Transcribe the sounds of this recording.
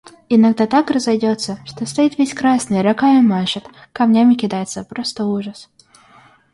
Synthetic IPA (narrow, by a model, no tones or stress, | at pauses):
ɪnɐɡd̪at̪akrəzɐjdʲo̞t̪sːəʂt̪ost̪ɐit̪vʲesʲkɾasnɨjɾɐkaɪmaʂət̪kɐmnʲamʲɪkʲɪd̪ajɪt̪səpɾost̪əuʐəs